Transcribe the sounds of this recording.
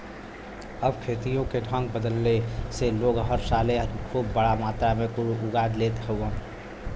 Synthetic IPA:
əbkʰet̪ijõkeɖʱəŋɡ̚bəd̪əlːeseloɡɦəɾsalekʰubːəɽamat̪ɾamekuɾuʔuɡaɾlet̪ɦəən

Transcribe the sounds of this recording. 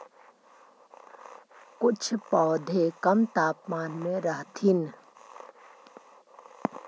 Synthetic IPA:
kʊt͡ʃʰpɔːd̪ʱekəmt̪aːpmaːnmẽɾəɦt̪ʰin

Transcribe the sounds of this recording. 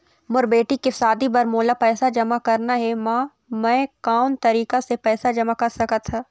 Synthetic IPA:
mʊɾbeːʈikɪfsaːd̪ibɐɾmoːlapɛːsad͡ʒɐmakɐɾnaɦɛmãː | mɛ̃ːkaːʊnt̪ɐɾiːkasepɛːsad͡ʒɐmakɐɾsɐkət̪ʰɦaː

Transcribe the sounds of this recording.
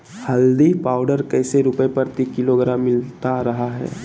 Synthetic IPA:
hɐld̪ipaːʊɖəɾkɛːseɾʊpəepɐɾt̪ikɪloɡɾaːmːɪlt̪aɾɐɦaɦɛ̰ː

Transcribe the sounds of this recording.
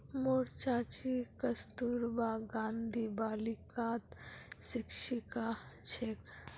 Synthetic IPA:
moːɾt͡ʃaːt͡ʃikəst̪uːɾbaːɡãːnd̪ʱibaːlikaːt̪sɪkʃikat͡ʃʰek

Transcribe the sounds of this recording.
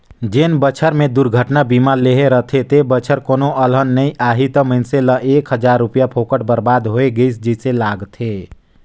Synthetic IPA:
d͡ʒenbət͡ʃʰəɾmed̪uɾɡʱəʈnabimaɾleɦeɾəɦt̪ʰet̪ebət͡ʃʰəɾkonoʔəlɦənːəĩʔaɦit̪əməɪnseləʔekɦəd͡ʒaɾːupijapʰokəʈ̚bəɾbad̪ɦoeɡəɪsd͡ʒəselaɡt̪ʰe

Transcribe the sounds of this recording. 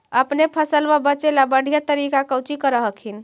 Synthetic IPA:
əpnepʰəsəlbabət͡ʃelabəɽ̤ʱijat̪əɾikakəwt͡ʃikəɾəɦəkʰin̆

